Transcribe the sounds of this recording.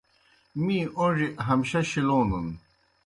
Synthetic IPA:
mĩːʔoʐiʔɦɐmɕɐɕiloːnun

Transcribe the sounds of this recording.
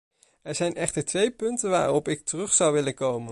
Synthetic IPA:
ɛɹzɛjnɛχtəɹtʋejpɵntənʋa̰ːɾɔpɪk̚tərɵχsɑwʋɪlənkowmən

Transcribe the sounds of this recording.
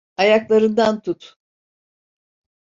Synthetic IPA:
ajaklˠaɾɯnd̪ant̪ʰut̪

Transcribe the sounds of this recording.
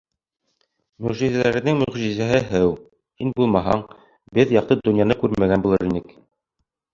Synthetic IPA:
mɵʁʒizælæɾɘ̆nɘŋmɵʁʒizæɦɘɦɘw | hinbulˠmɑɦɑ̰ɴ | bɘðjɑq̚t̪ɤd̪ɵ̆njɑnɤkʉɾmæɡænbulˠɤɾinɘk

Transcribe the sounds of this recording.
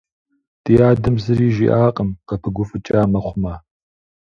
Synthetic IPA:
tijaːdɨmzɨɾiːʒḭʔaːqʼəmqɐpʰɨɡʷʊfɨt͡ʃʼaːmɐχʷʊmaː

